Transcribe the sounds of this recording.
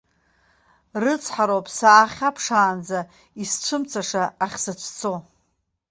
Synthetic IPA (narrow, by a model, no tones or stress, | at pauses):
rɨt͡sʰħaɾopʼsaːχʲapʰʂaːnd͡za | isʈ͡ʂʷʰɨmt͡sʰaʂaaχʲsɨt͡ʃʷʰt͡sʰo